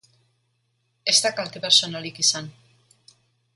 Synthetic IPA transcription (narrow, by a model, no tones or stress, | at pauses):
e̞zt̪akalt̪epeɾsonalikisan